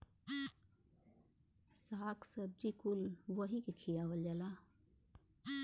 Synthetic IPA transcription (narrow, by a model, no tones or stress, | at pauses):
saːksəb̚d͡ʒikʊlʋəɦikekʰijaʋəljala